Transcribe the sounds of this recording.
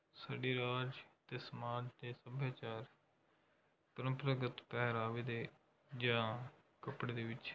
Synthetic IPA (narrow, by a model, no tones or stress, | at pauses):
saɖiːɾaːd͡ʒt̪eːsəmaːd͡ʒd̪eːsəbʱjaːt͡ʃaːɾ | pəɾəmpɾəɡət̪pɛːɾaːʋeːd̪eː | d͡ʒãː | kəpɽeːd̪eːʋɪt͡ʃ